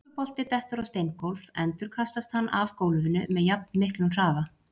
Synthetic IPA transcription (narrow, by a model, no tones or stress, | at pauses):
pɔl̥t̪ɪt̪ɛht̪ʏɾawst̪ejnkɔwlvɛnt̪ʏɾ̥kʰast̪ast̪hanːʔavkowlvɪnʏmɛðjap̚nmɪhklʏnr̥aːva